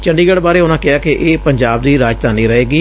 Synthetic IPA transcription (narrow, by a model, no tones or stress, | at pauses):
t͡ʃəɳɖiːɡəɽbaːɾeːʊnãːkɪaːkeʔeːpəɲd͡ʒaːb̚d̪iːɾaːd͡ʒt̪aːnĩːɾəɦeːɡiː